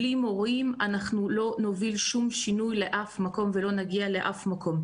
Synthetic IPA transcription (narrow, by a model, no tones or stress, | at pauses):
limoʁimanaχnulo̞novilʃumʃinujle̞ʔafmako̞mve̞lo̞naɡiale̞ʔafmakʰo̞m